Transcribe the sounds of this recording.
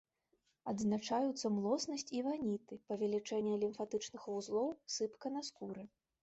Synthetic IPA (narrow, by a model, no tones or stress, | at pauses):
ɐd̪znat͡ʂajut̪sːɐmlˠɔsnɐsʲt͡sʲivanʲit̪ɨpɐvʲɛlʲit͡ʂɛnʲːɛɐlʲimfat̪ɨt͡ʂnɨxwzlˠɔwsɨpkɐnɐskuɾɨ